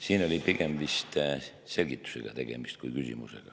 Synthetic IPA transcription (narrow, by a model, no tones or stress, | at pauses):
siːno̞lʲipiɡ̥e̞mvist̪ | se̞lʲɡ̥it̪ːˑu̥se̞̰ɡ̥ɑt̪e̞ɡ̥e̞mist̪̚kujkysʲḭmṵsḛɡ̥ɑ